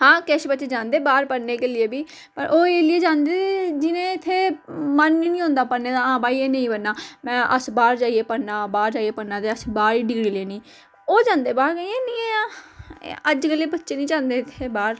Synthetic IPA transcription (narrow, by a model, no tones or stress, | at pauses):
hãːkɛːʃbətːt͡ʃeːd͡ʒãːnd̪eːbaːɾpəɾneːkeːlɪjeːbiː | pəɾʔoːeːlɪeːd͡ʒãːnd̪eːt̪ed͡ʒɪnẽːɪt̪ʰːeːmənːiːnĩːɦõːnd̪aːpəɾneːd̪aːãːbaːiːeːnẽĩːbənːaːmɛ̃ːʔəsbaːɾd͡ʒaːieːpəɽnaːbaːɾd͡ʒaːieːpəɽnaːt̪eːəsbaːɾiːɖɪɡɽiːleːnĩː | oːd͡ʒãːnd̪eːbaːɾɡəeːnĩːeaː | əd͡ʒɡəleːbətːt͡ʃeːnĩːd͡ʒãːnd̪eːɪt̪ʰːeːbaːɾ